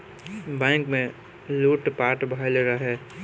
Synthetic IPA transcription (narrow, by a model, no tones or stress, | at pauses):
bɛ̃ːŋkmẽ | luːʈpaːɾʈbʱajleɾaɦɛː